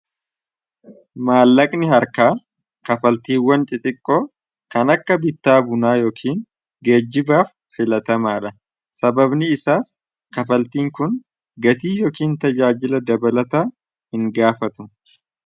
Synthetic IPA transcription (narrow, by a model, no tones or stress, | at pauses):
maːlːɐkʼnɪɦɐɾkaː | kɐfɐlt̪iːwːɐnt͡ʃ̪ʼɪt̪ʼɪkʼːoː | kɐnɐkːɐbɪt̪ːaːbʊnaːjo̞ːkʰiːŋ | ɡe̞ːd͡ʒːɪbaːfːɪlɐt̪ɐmaːᶑɐ | sɐbɐbnɪːsaːs | kɐfɐlt̪iːŋkʊn | ɡɐt̪iːjoːkiːnt̪ɐd͡ʒaːd͡ʒɪlɐd̪ɐbɐlɐt̪aː | hɪŋɡaːfɐt̪ʊ̥